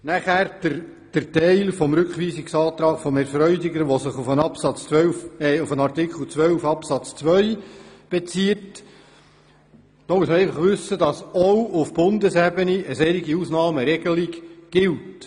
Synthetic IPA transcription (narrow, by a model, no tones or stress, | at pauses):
næχæːɾdə | d̥ərtɛɪlfɔmɾʉkχʋiːsiksɑːt̪ɾɑːkfɔmɛɾfɾœʏdɪɡəɾʋɔsəχufənɑpsɑt͡sʋœwfɛufənɑrtɪkχəl̩t͡sʋœwfɑpsɑt͡st͡sʋœjb̥et͡siət | d̥ɔmuəsməɾɛɪfɑχʋʏsːədɑsɔwʔʊfb̥ʊndəsɛbəniʔəsɛɾiɡiuːsnɑːməɾɛɡ̥əlikɡ̥ɪlt